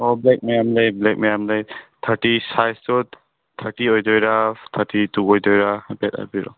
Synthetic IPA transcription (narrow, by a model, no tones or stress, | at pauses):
ɔblɛk̚mejamlejblɛk̚mɛjamlajt̪ʰatisajstɔt | t̪ʰatiɔjdɔjɾat̪ʰatitukɔjdɔjɾabɛta̰biɾɔ̰